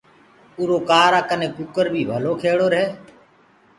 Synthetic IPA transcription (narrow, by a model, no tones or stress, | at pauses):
uːɾoːkaːɾaːkənẽːkukəɾbʱiːbʱəloːkʰeːɽoːɾɦeː